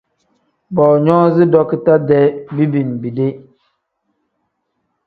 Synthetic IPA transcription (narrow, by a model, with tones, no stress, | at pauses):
bɔ˨ɲɔ˦zɪ˦dɔ˦ki˦ta˦dɛ˦bi˦bi˨n˨bi˨de˦